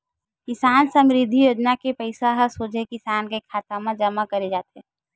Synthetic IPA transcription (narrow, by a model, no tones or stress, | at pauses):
kɪsaːnsəmɾɪd̪ʱːijoːd͡ʒnakepəɪsaɦɐsoːd͡ʒekɪsaːnkekʰaːt̪amãd͡ʒɐmakɐɾed͡ʒaːt̪ɛ